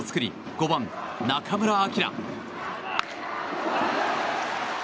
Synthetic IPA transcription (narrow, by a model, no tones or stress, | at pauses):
t͡sɨ̥kɯ̟ɾʲḭ | ɡ̥oban | nakʰamɯ̟ɾaːkʲiɾa̰